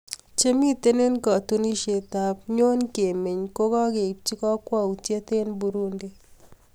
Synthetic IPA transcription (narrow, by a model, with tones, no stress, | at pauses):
t͡ʃe˦mi˦te˦ne˦nkɔ˨tu˦ni˦ʃe˨ta˨pɲo˦nke˨me˨ɲko˦kɔ˦ke˨p̚t͡ʃi˦kɔ˦kwa˦u˨tje˦te˦nbu˧ɾu˦nde˦